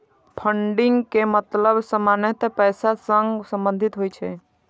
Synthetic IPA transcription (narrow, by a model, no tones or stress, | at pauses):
pʰəɳɖiŋɡkemət̪ləbsəmanet̪pɛjsasəŋɡsə̃mbə̃nd̪ʱit̪ɦojt͡ʃʰɛ